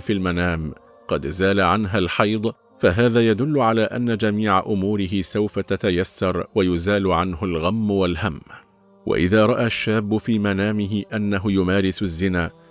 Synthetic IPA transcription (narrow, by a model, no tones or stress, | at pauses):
filmanaːm | qɑd̪zaːlaʕanɦalħɑjd̪ˤ | faɦaːðaːjad̪ʊlːʊʕalaːʔa̰nːad͡ʒamiːʕaʔʊmuːɾɪɦɪsawfat̪at̪ajasːɑɾˤwajʊzaːlʊʕanhʊlɣamːwalhamː | wʔa̰ʔɪ̰ðaːɾˤɑʔaʃːaːbːʊfiːmanaːmɪɦɪʔanːaɦʊjʊmaːɾɪsʊzːɪnaː